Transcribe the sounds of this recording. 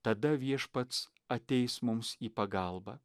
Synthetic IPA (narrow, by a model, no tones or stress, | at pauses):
t̪ɐd̪ɐʋʲiɛʃpɐt̪s | ɐt̪ʲɛɪsmʊmsiːpɐɡɐlˠbɐ